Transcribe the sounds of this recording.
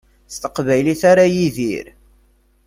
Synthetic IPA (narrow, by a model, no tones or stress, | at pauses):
st̪əqvæjliθaɾajiðḭɾ